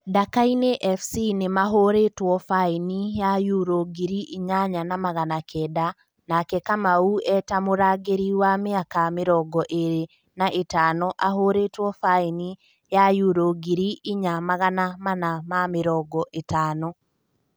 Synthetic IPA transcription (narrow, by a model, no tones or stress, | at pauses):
dakaineʔɛfsinemaɦoɾetwɔfainijajuɾoɡiɾiiɲaɲanamaɣanakʰɛda | nakɛkamauɛtamoɾaɡeɾiwameakameɾɔɡɔʔeɾe | naʔetaːnɔʔaɦoɾetwɔfaini | jajuɾoɡiɾiiɲamaɣanamanamameɾɔɡɔʔetaːnɔ